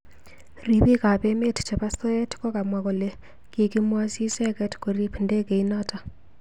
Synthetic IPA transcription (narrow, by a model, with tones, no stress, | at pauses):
ri˨pi˦ka˨pe˦me˦tt͡ʃa˨pa˦so˦ɛ˦tkɔ˦ka˨mwa˨ko˨le˨ | ki˨ki˦mwa˦si˦sɛ˦kɛ˦tko˨ɾi˦pnde˦ke˨i˦nata˨